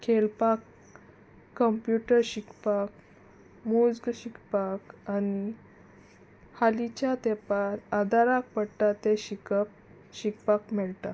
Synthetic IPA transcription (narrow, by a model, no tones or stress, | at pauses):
kʰelpakː | əmpjuʈəɾɕikpak | mud͡zɡɕikpakani | halit͡ɕjat̪epaɾəd̪aɾak̚pəɽʈ̪at̪eɕikəp̚ | ɕikpakmɛɭt̪a